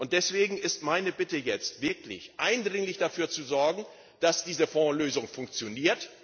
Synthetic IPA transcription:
ʔʊnt̚d̥ɛsv̥eːɡŋ̩ɪstmaɪnəbɪtəjɛt͡stv̥ɪɐklɪ̰çʔaɪndʁɪŋlɪçd̥afyːɐt͡suzɔɐɡŋ̩ | d̥asd̥iːzəfɔ̃ːløːzʊŋfʊŋk̚t͡sjoniːɐt

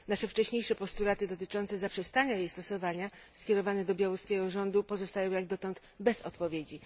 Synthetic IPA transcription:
naʂɛft͡ʂɛɕɲejʂɛpɔst̪ulat̪ɘd̪ɔt̪ɘt͡ʂɔnt̪sɛzapʂɛst̪aɲajejst̪ɔsɔvaɲa | skʲɛɾɔvanɛd̪ɔbʲjawuskʲɛɡɔʐɔnd̪upɔzɔst̪ajɔ̃w̃jaɡ̚d̪ɔt̪ɔnt̪ | bɛzɔ̰t̪pɔvʲjed͡ʑi

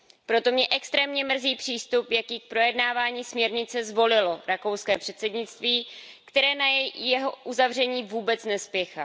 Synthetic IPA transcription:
pɾo̞t̪o̞mɲɛʔɛkst̪ɾɛːmɲɛmr̩ziːpr̥iːst̪upjakiːk̚pɾo̞jɛdnaːvaːɲiːsmɲɛɾɲɪt͡sɛzvo̞lɪlo̞ɾako̞wskɛːpr̥ɛt̪sɛdɲɪt͡st̪viːkt̪ɛɾɛːnajɛjjɛɦoʔuzavr̝ɛɲiːvuːbɛt͡snɛspjɛxa

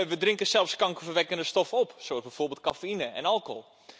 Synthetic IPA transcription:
ʋədrɪŋkəsɛlˠfskɑŋkəfərʋɛkəndəstɔfɔpsoəzbɛjforbeːlˠt̚kafeinəɛ̰nɑlˠko̰lˠ

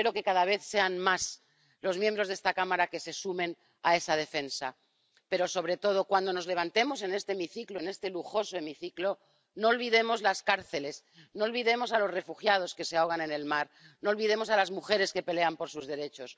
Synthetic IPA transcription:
eɾo̞ke̞kaðaβe̞θse̞anmas | lo̞zmjembɾo̞zðest̪akamaɾake̞se̞sumẽ̞n | ae̞sað̞e̞fe̞nsa | pe̞ɾo̞so̞β̞ɾe̞t̪o̞ð̞o̞kwand̪o̞no̞zle̞βant̪e̞mo̞s̬e̞ne̞st̪eːmiθiklo̞ene̞st̪e̞luxo̞so̞e̞miθiklo̞ | no̞ːlβiðe̞mo̞zlaskaɾθe̞le̞s | no̞ːlβiðe̞mo̞salo̞zre̞fuxjað̞o̞ske̞seaoɣanẽ̞ne̞lmaɾ | no̞ːlβiðemo̞salazmuxeɾe̞ske̞pele̞ampo̞ɾsuzðe̞ɾe̞t͡ʃo̞s

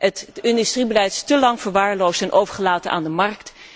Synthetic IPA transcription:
ətɪndystribəlɛjtɪ̥stəlɑŋv̥əɹʋaːɹlowstɛnʔowvəɹχəlaːtənʔa̰ːndəmɑɹkt

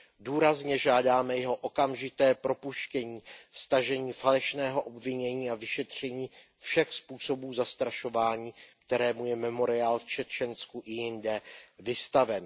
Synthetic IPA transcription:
duːɾazɲɛʒaːdaːmɛjɛɦo̞ʔokamʒɪt̪ɛːpɾo̞puʃcɛɲiːfst̪aʒɛɲiːfalɛʃnɛːɦo̞ʔo̞bvɪɲɛɲiːavɪʃɛt̪r̝̥ɛɲiː | fʃɛxspuːso̞buːzast̪ɾaʃo̞vaːɲiːk̚t̪ɛɾɛːmujɛmɛmo̞ɾɪaːlft͡ʃɛt͡ʃɛnskuʔɪjɪndɛvɪst̪avɛn

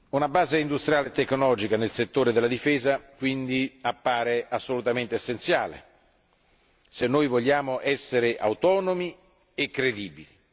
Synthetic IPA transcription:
unabaːzeind̪ust̪ɾijaːlet̪ːekːnɔlɔːd͡ʒikanelset̪ːoːɾed̪elːad̪ifɛːzakwind̪iapːaːɾeʔasːolut̪ament̪eesːent̪sjaːlḛ | senːoːjvoʎːaːmoʔɛsːeɾeʔa̰wt̪ɔːnomi | ekːɾed̪iːbili

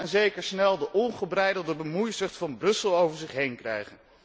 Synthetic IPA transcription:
ɛnzejkəɹsnɛlˠdəʔɔnχəbrɛjdəlˠdəbəmujsəχtfɑnbrɵsəlˠowvəɹzɪχɦejnkrɛ̰jχən

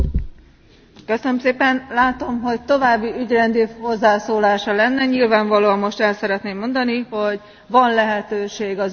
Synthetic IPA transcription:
køsønømseːpɛnlaːt̪o̞mɦo̞ct̪o̞vaːbːiyɟrɛnd̪iho̞zːaːsoːlaːʃɒlɛnːɛɲilvaːɱvɒloːɒmːo̞ʃt̪ɛlsɛɾɛt̪neːmːo̞nd̪ɒniho̞ɟ | vɒnlɛɦɛt̪øːʃeːɡɒz

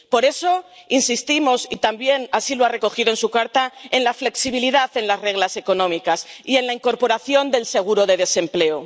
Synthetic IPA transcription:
po̞ɾe̞so̞insist̪imo̞sit̪ambje̞nasiloare̞ko̞xiðoensukaɾt̪ae̞nlafle̞ksiβiliðaθe̞nlazre̞ɣlase̞ko̞nõ̞mikasie̞nlaiŋko̞ɾpo̞ɾaθjo̞nd̪e̞lse̞ɣ̞uɾo̞ðe̞ðe̞se̞mple̞o

